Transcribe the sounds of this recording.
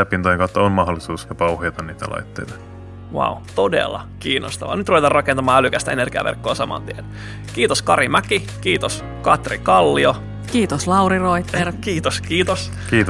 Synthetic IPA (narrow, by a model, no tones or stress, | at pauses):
æpːinojeŋkɑˑut̪ːɑonmɑɦolːisuːsjɑpɑuhojɑt̪ɑnniːt̪æ̰lɑ̰it̪ːejt̪ɑ̥ | wa̰ut̪odḛlːɑ̰kiːnost̪ɑʋɑ̰nyt̪ruʋet̪ɑrrɑkent̪ɑmɑːælykæst̪æenerɡ̥iɑ̰ʋerkːoːsɑmɑ̰nt̪ien | kiːt̪oskɑɾimæki | kiːt̪os | kɑt̪rikɑlːio | kiːt̪oslɑwɾiroit̪ːerkiːt̪oskiːt̪os | kiːt̪